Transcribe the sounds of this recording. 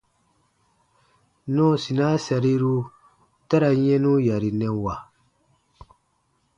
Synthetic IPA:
nɔ̃˦˨si˨na˦sa˨ɾi˦ɾu˧ | ta˦ɾa˨ɲɛ̃˦nũ˦ja˨ɾi˨nɛ̃˨wa˨

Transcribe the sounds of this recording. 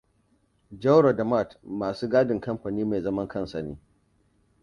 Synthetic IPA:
d͡ʒɐ˦wɾo˨dɐ˨ma˦˨tmaː˨suː˦ɡaː˦dɪ˨ŋkɐ˦mɸa˨niː˦ma˨jzɐ˦mɐ˦ŋkɐ˦nsɐ˨nḛː˦

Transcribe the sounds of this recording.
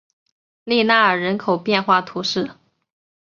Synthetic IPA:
li˥˧na˥˩ə˞˨˩ɻə˧˥nkʰo˨˩ʊpjɛ˥˧nxwa˥˩t̪ʰu˧˥ʂɻ̩˥˩

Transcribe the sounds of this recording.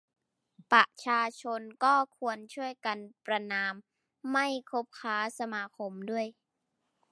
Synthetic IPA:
pɾa˨˩t͡ɕʰaː˧t͡ɕʰo˧nkɔː˥˩kʰu˧ənt͡ɕʰu˥˩əjka˧npɾa˧naː˧mː | a˥˩jkʰo˦˥p̚kʰaː˦˥sa˧maː˧kʰo˧mdu˥˩əj

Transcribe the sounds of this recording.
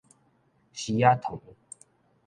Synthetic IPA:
ɕi˧ja˦t̪ʰo˨˦ŋ

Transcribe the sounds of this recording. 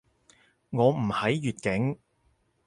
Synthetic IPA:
ŋɔː˨˧m̩˨˩hɐ˨˥jːyː˨t̚kɪ˨˥ŋ

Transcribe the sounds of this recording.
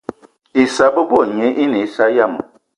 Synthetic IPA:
i˨sa˦bə˦bɔ˦˨ɲe˨˦ʔi˦ni˨˦sa˦ja˦˨mə̰˨

